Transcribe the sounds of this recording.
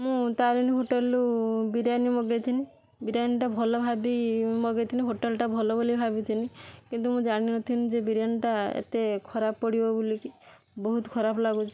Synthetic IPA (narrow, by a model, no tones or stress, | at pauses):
mũt̪aɾiniɦoʈelubiɾjanimɔɡet̪ʰini | biɾjaniʈabʱɔlɔbʱabimɔɡet̪ʰiniɦoʈelʈabʱɔlɔbolibʱabit̪ʰinikint̪umũd͡ʒaɽ̃inɔt̪ʰinĩd͡ʒebiɾjaniʈaḛt̪ekʰɔɾappɔɽibɔbuliki | bɔɦut̪ɔ̥kʰɔɾapɔlaɡut͡ʃʰi̥